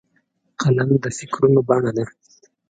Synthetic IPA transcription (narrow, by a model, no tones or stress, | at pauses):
qalamd̪əfɪkɾunobaɳad̪a